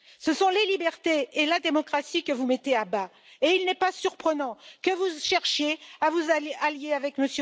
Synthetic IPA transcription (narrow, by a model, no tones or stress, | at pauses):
səsɔ̃lelibɛʁt̪eːlad̪emɔkχasikəvumet̪eaba | eilnɛpasyʁpχənɑ̃kəvuʃɛʁʃjeavuzaaljeavɛkməsj